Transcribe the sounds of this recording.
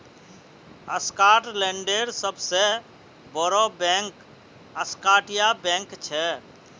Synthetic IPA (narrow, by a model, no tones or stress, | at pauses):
əskaʈleɳɖeɾsəbʱse | bəɾɔbɛ̃ŋk | əskaʈijabɛ̃ŋkt͡ʃʰɛ